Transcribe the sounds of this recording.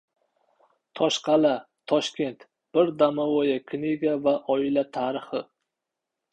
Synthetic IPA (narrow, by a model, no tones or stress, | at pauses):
t̪ʰɒʃqʰɑlat̪ʰɒʃkʲe̞nt̪ | b̥ɪɾd̪amawojakʲʰniɡʲavaʔɒɪlat̪ʰaɾɪχɪ